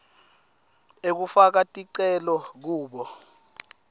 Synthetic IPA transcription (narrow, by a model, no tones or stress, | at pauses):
ek̬ufak̬atʼiǀɛlɔk̬uːɓɔ